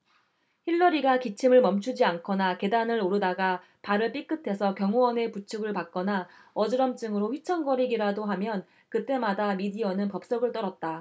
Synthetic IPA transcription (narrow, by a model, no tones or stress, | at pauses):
çiɭːʌɾiɡakit͡ɕʰimɯɭmʌmt͡ɕʰud͡ʑiankʰʌnake̞danɯɾoɾɯdaɡa | paɾɯɭp͈ik͈ɯtʰe̞sʰʌkjʌŋowʌne̞put͡ɕʰuɡɯɭpak̚k͈ʌna | ʌd͡ʑɯɾʌmt͡ɕ͈ɯŋɯɾoɸɥit͡ɕʰʌŋɡʌɾiɡiɾadoɦamjʌn | kɯt͈e̞madamidiʌnɯnpʌp̚s͈ʌɡɯɭt͈ʌɾʌt̚t͈a